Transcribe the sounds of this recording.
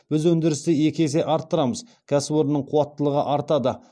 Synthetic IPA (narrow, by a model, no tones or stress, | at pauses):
b̥ɪzwɵnd̪ɪɾɪst̪ɪje̞kʲe̞se̞ʔɑɾt̪ːəɾɑməz | kʲʰæsɪpo̞ɾənəɴqʰʊwɑt̪ːəlˠəʁəʔɑɾt̪ɑd̪ə